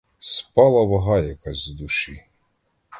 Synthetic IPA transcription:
spɑlˠɐβɐɦɑjɐkɑzʲzd̪uʃi

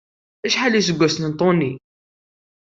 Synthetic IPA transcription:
æʃħalːisəɡʷːæsnənt̪ˤoni

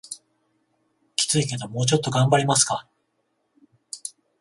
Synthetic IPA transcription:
kʲi̥t͡sɨike̞t̪omo̞ːt͡ɕo̞t̪ːo̞ɡãmbaɾʲimasɨ̥ka

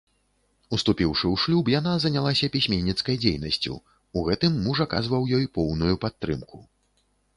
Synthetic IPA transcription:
ust̪upʲiwʂɨwʂlʲubjanazɐnʲalˠasʲɐpʲisʲmʲɛnʲːit̪skɐjd͡zʲejnɐsʲt͡sʲṵ | uɣɛt̪ɨmːuʐaka̰zvɐwjɔjpɔwnujupat̪ːɾɨ̰mku

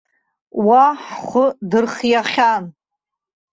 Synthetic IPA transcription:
waħχʷʊdɨrχjaχʲan

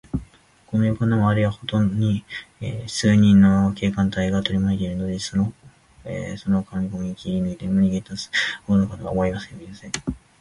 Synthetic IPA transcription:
ko̞no̞jokanamoaɾɯiβaho̞t̪õ̞ɲiesɨːɲ̟ĩnːo̞ke̞ːkãnt̪aiɡat̪o̞ɾʲimaet̪eɾɯ̟nod̪esono̞ | eso̞no̞kamʲiɡo̞mʲiikʲiɾʲinɯit̪e̞mɯɲʲiɡet̪asɨ̥honokat̪oβa̰moimasɨoiasẽ

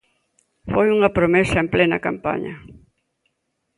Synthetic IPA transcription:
fojuŋɐpɾomesɐemplenɐ̰kampa̰ɲɐ

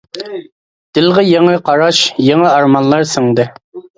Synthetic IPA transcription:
d̪̥ɪlˠʁəjeŋɨqʰɑɾɑʃjeŋəɑɾmɑnlˠɑɾsɪŋd̪ɨ

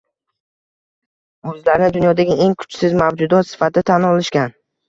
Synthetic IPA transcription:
ɵzlaɾɪnɪd̪ʊnjɒd̪aɡʲɪʔe̞ŋkʰʊ̥t͡ʃsɪzmavd͡ʒʊd̪ɒt̪sɪ̥fat̪ʰɪt̪ʰanɒlˠɪʃkʲan

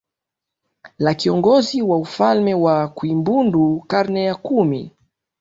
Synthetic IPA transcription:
lakiɔŋɡɔziwaufalmɛwakuimbundukaɾnɛjakumi

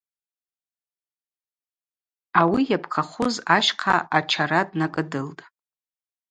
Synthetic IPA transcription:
awijapʰqʰaχʷʊzaʃqʰa̰ʔat͡ʃʰaɾadnakʼɨdɨltʼ

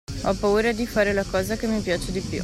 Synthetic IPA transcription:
ɔpauɾad̪ifaːɾelakɔːzakemipjaːt͡ʃed̪ipṵ

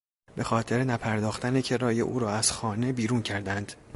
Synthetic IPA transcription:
be̞xɒːt̪ʰe̞ɾenæpʰæɾd̪ɒːxt̪ænecʰe̞ɾɒːjḛʔṵːɾɒːæz̥xɒːne̞biːɾuːncʰæɾd̪ænd̪

